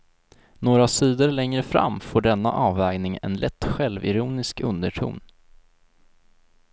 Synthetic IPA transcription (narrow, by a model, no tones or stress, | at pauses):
noːɾasiːd̪əɾlɛŋɾəfɾa̰mːfoːɖɛnːa̰ʔɑːvɛːɡnɪŋɛ̰nlʔɛt̪ːɧɛlvɪ̰ɾuːnɪskɵnd̪əʈʰṵːn